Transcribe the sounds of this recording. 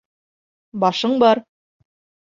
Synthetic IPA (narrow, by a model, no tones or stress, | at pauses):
bɒʃɤɴbɑɾ